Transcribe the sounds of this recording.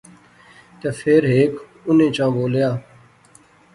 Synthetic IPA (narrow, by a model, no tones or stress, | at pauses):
t̪eːpʰeːɾɦeːk | ʊnẽːt͡ʃãːboːljaː